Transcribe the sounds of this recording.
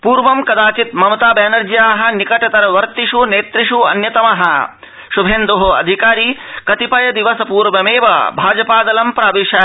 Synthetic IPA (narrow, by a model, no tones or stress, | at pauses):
puːɾʋɐmkɐd̪aːt͡ʃit̪mɐmɐt̪aːbɛːnɐɾd͡ʒjaːɦɐ̆nikɐʈɐt̪ɐɾɐʋɐɾt̪iʂuneːt̪ɾiʂuɐ̰njɐt̪ɐmɐɦɐ̰̆ | ʃubʱeːnd̪oɦoɐ̰d̪ʱikaːɾiːkɐt̪ipɐjɐd̪iʋɐsɐpuːɾʋɐmeːʋɐ̰bʱaːd͡ʒɐpaːd̪ɐlɐmpɾaːʋeːʃɐ